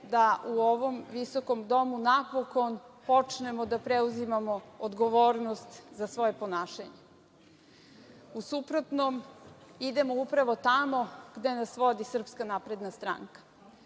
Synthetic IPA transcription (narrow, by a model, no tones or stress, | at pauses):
d̪aʔuoʋo̞mʋiso̞ko̞md̪o̞munapoko̞npo̞t͡ʂne̞mod̪apɾeuzimamo̞od̪ɡo̞ʋoːɾnost̪zasʋo̞je̞po̞naːʃaɲe | usupɾo̞t̪nomid̪e̞moupɾaʋo̞t̪amo̞ɡ̥d̪e̞nasʋo̞d̪isr̩pskanapɾe̞d̪nast̪ɾa̰ŋkḁ